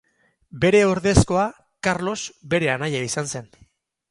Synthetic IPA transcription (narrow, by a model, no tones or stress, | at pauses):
be̞ɾe̞oɾðe̞sko̞a | kaɾlo̞zbe̞ɾe̞anajaisanse̞n